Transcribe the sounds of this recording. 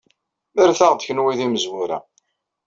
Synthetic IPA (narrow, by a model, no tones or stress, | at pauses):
əɾθaʁd̪çənwiðiməzwʊɾæ̰